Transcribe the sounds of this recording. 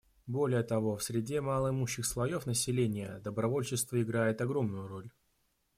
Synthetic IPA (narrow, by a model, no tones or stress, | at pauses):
bo̞lʲɪjət̪ɐvo̞fsʲɾʲɪdʲe̞malˠəɪmuɕːɪxslˠɐjo̞fnəsʲɪlʲenʲɪjəd̪əbɾɐvolʲt͡ɕɪst̪vəɪɡɾajɪt̪ɐɡɾo̞mnʊjʊɾo̞lʲ